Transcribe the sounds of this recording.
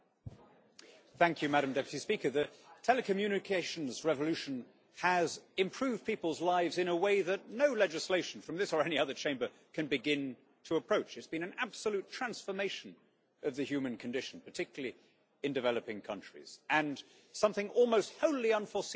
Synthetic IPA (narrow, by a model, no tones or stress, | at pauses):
θæ̃ŋkʰjɨmæɾɨ̃m̩dɛpjɨtispikə˞ðɨtʰɛlˠɨkʰɨmjʉñɨkʰeɪʃn̩zɹɛvəlʉʃɨ̃n̩ | əzɨ̃mpʰɹ̥ʉvd̥̚pʰipl̩ˠzlaɪvzɨ̃nəweɪðɨtⁿnoʊlɛd͡ʒɨsleɪʃn̩fɹʌ̃mðɪsə˞ɛniʌðə˞t͡ʃʰẽɪ̃mbə˞ | kʰɨ̃nbɨɡɪ̃n | tʰəːpʰɹ̥oʊt͡ʃɨtsb̥ɨ̃ñɨ̃næb̥səlʉtʰɹ̥æ̃nsfə˞meɪʃɨ̃n̩ | ʌvðɨhjʉmɨ̃nkʰɨ̃n̩dɪʃn̩pʰə˞tʰɪkjl̩ˠi | ɨ̃ndɨvɛlˠəpɪ̃ŋkʰʌ̰̃nt͡ʃɹ̥ḭz̥ɨ̃n | sʌ̃mθɪ̃ŋʔɔlˠmoʊst̚hoʊlˠiʌ̃nfə˞s